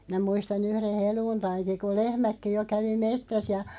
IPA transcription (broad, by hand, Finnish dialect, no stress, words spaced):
mĭnæ muistɑn yhren̞ heluːntɑinki ku lehmækːi jo kæʋi metːæs jɑ